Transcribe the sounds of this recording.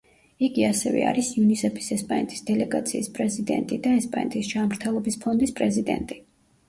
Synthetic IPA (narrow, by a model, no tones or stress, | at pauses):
iɡiasɛvɛ̰a̰ɾisiunisɛpʰi̥sɛspʼanɛt̪ʰʼi̥sd̪ɛlɛɡat̪sʰiːspʼɾɛzid̪ɛ̰nt̪ʼid̪aɛspʼanɛt̪ʼisd͡ʒanmɾt̪ʰɛlˠɔbispʰɔnd̪ispʼɾɛzid̪ɛ̰nt̪ʼi